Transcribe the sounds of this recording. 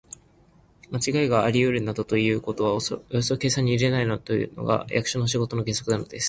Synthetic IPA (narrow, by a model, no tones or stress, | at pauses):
mat͡ɕiɡaeɡaːɾʲiɯ̟ɾɯ̟nad̪ot̪o̞jɯ̟ːko̞t̪o̞βaojosoke̞ːsãɲ̟iːɾe̞nainot̪ojɯ̰no̞̰ɡa̰jʔa̰kɯ̟̥ɕono̞ɕiɡo̞t̪o̞no̞ɡẽ̞so̞kɯ̟d̪ano̞d̪e̞sɨ̥